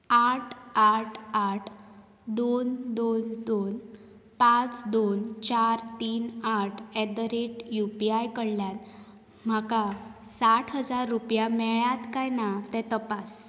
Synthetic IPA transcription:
aʈʰaʈʰaʈʰ | d̪ond̪ond̪onpãt͡sd̪ont͡ɕaɾt̪iːnaʈʰɛd̪əɾeʈjupiajkəɽljan | m̤akasaʈʰɦəd͡zaɾːupjamɛɭjat̪kajnat̪ɛ̃t̪əpas

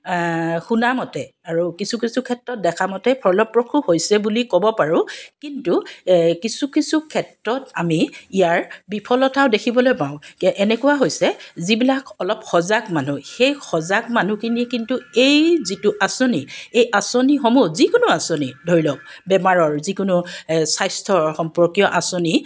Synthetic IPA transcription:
xunamɔtɛaɹukisukisukʰɛtɹɔt̚dɛkʰamɔtɛpʰɔɹlɔpɹɔkʰuhojsɛbulikɔbɔpaɹʊ̃kintukisukisukʰɛtɹɔtamiijaɹbipʰɔlɔtaʊ̃dekʰibɔlojpãʊ̃kʔɛnɛkʊwaɦojsɛzibilakɔlɔpxɔzaɡmanuxejxɔzaɡmanukinikintuejzituʔasoniejʔasonixɔmuzikʊnuasonidʱoɹilɔk̚bɛmaɹɔɹzikʊnusajstʰɔxɔmpɔɹkijɔʔasoni

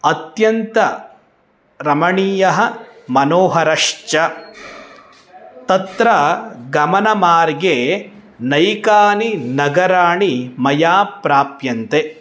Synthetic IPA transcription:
ɐt̪jɐnt̪ɐ | ɾɐmɐɳiːjɐɦɐmɐnoːɦɐɾɐʂt͡ʃɐ | t̪ɐt̪ɾɐɡɐmɐnɐmaːɾɡenɐjkaːninɐɡɐɾaːɳimɐjaːpɾaːpjɐnt̪e

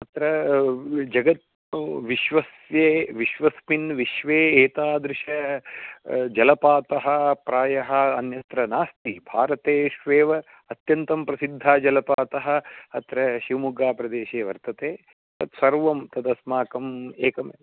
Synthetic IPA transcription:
ɐt̪ɾɐ | d͡ʒɐɡɐt̪̚ | ʋiʃʋɐs | jeːʋiʃʋɐspinʋiʃʋeːeːt̪aːd̪ɾɪʃɐ | d͡ʒɐlɐpaːt̪ɐɦɐ̆pɾaːjɐɦɐ̆ːnjɐt̪ɾɐnaːst̪ibʱaːɾɐt̪eːʃʋeːʋɐ | ɐt̪jɐnt̪ɐmpɾɐsid̪ʱːaːd͡ʒɐlɐpaːt̪ɐɦɐ̆ɐt̪ɾɐʃiʋɐmuɡaːpɾɐd̪eːʃeːʋɐ̰ɾt̪ɐt̪eː | t̪ɐt̪sɐɾʋɐmt̪ɐd̪ɐsmaːkɐmeːkɐme

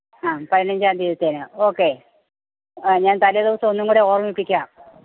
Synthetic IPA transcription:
aːpɐɾinɐɲd͡ʑaːnd̪iːðɐt̪ːeːnɨo̞ːkːe | ɲaːnt̪ɐlijɐðiʋɐsɐmonːuŋkuːɽeo̞ːrɐmʋipːikʲːaːm

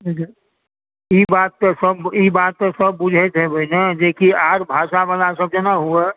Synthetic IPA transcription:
d͡ʒ | ibaːt̪ːsəbibaːt̪ːsəb̚ːʊd͡ʒʱet̪ebəɪned͡ʒeːkiaːɾbʱaːʃabəlasəb̚d͡ʒenaɦue

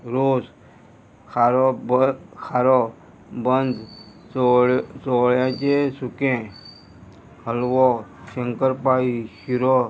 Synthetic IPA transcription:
ɾoːs | kʰaɾɔ | kʰaɾɔ | bənd̪ | sɔɭjãt͡ʃesukẽ | həlʋɔʃəŋkəɾpaiʃiɾɔ

